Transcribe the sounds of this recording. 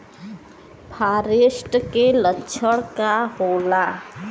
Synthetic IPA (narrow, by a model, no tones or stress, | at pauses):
pʰaːɾesʈkelət͡ʃʰəɽkaɦoːla